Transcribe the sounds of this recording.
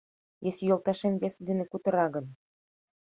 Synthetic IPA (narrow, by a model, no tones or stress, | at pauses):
jesʲjŏlˠt̪ɑʃemʲbʲesʲd̪ĕnʲekut̪ɤ̆ɾɑɡɤ̆n